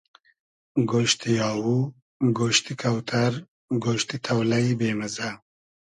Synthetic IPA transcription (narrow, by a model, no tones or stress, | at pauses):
ɡoːʃt̪ijɑːwu | ɡoːʃt̪ikʰɐwt̪ʰɐɾ | ɡoːʃt̪it̪ʰɐwlɐjbeːmɐza